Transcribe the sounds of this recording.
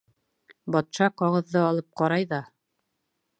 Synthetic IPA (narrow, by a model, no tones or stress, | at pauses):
bɒt̪ʃɑqɑʁɤ̆ðːɤɑlˠɤp̚qɑɾɑjðɑ